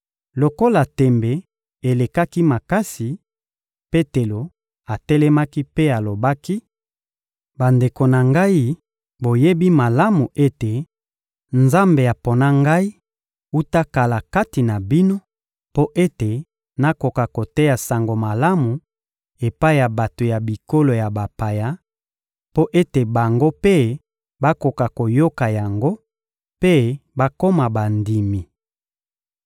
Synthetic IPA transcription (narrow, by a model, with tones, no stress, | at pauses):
lo˨ko˦la˨tɛ˨mbe˨ | e˨le˨ka˦ki˦ma˨ka˦si˨ | pe˦te˨lo˨ | a˨tɛ˦lɛ˦ma˦ki˦pe˦a˨lo˨ba˦ki˦ | ba˨nde˨ko˨na˨ŋɡa˦i˦ | bo˨je˦bi˦ma˨la˦mu˨ʔe˦te˨ | nza˦mbe˨a˨po˨na˦ŋɡa˦i˦ | u˦ta˦ka˨la˨ka˦ti˨na˨bi˦no˦ | po˦ʔe˦te˨ | na˦ko˨ka˨ko˨tɛ˦ja˨sa˨ŋɡo˨ma˨la˦mu˨ | e˨pa˦i˦ja˨ba˨to˨ja˨bi˨ko˦lo˨ja˨ba˨pa˨ja˦ | po˦ʔe˦te˨ba˨ŋɡo˦pe˦ | ba˦ko˨ka˨ko˨jo˦ka˨ja˨ŋɡo˦ | pe˦ba˦ko˦ma˨ba˨ndi˨mi˨